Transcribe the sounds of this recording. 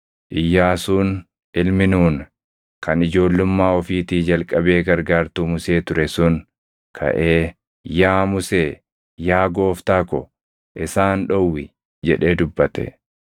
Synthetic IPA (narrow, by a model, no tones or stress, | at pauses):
ʔɪjːaːsuːn | ɪlmɪnuːn | kʰɐnɪd͡ʒo̞ːlːʊmːaːɔfiːt̪iːd͡ʒɐlkʼːɐbe̞ːɡɐɾɡaːɾt̪uːmʊse̞ːt̪ʊɾɛsʊn | kʰɐ̰ʔe̞ː | jaːmʊseː | jaːɡo̞ːft̪aːkɔ | ʔɪsaːnᶑɔwːɪ | d͡ʒɛᶑe̞ːd̪ʊbːɐt̪ɛ̰